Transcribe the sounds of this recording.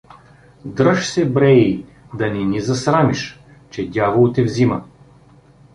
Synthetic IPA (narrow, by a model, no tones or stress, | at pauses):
d̪ɾəʃsɛbɾɛi | d̪ɐnʲɛnizɐsɾamiʃ | t͡ʃɛd̪ʲjavolˠt̪ɛvzimə